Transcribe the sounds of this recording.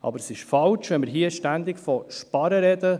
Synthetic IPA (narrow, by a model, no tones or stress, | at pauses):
ʔɑ̰bəɾsɪʃfɑlt͡ʃʋɛnmɪɾɦiəʃtænd̪ɪkfɔʃpɑɾəɾɛd̪ə